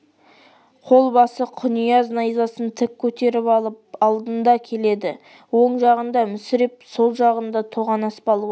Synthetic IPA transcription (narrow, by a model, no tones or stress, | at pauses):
qʰo̞lˠbɑsəqʰʊnijɑznɑjzɑsənt̪ʰɪk̚ʲʰːɵt̪e̞ɾɪpɑpɑlˠd̪ənd̪ɑkʲʰe̞le̞d̪ɪ | wo̞ɴʒɑʁənd̪ɑmʏsɪɾɪpso̞lˠʒɑʁənd̪ɑt̪ʰoʁɑnɑspɑlˠu